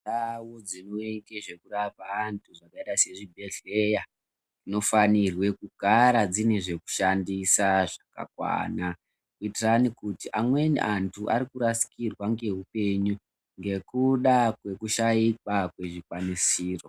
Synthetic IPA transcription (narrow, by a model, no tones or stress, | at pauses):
awo̞d͡zinoeŋkeʐe̞kuɾapaːntʰuʐakaitase̞ʐibʱe̞ɮe̞ja | ino̞fanirwe̞kuɡʱaɾad͡zineʐe̞ku̥ʃandisaʐaka̰kwa̰na | kuitiranikutiʔamwe̞nʔantʰuʔaɾikuɾasi̥kirwaŋɡe̞ɦupe̞ɲu | ŋɡe̞kuɗakwe̞kuʃaikwakwe̞ʐikwanisiːro̞